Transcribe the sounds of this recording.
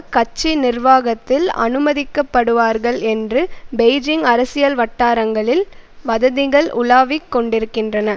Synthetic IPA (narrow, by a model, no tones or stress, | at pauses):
kɐt͡ʃːinɪrʋaːɣɐt̪ːɪlɐ̰nɯmɐðɪkːɐpːɐɽɯʋaːɾɣɐɭɛndrɯbɛɪd͡ʒɪŋɡɐɾɐsɪjɐlʋɐʈːaːɾɐŋɡɐɭɪlʋɐðɐðɪɣɐɭʔʊlaːʋɪkːɔɳɖɪɾɯkːɪndrɐnɐ